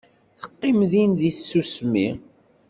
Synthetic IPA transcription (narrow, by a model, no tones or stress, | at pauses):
θə̥qːɪmðinðiθsːusmḭ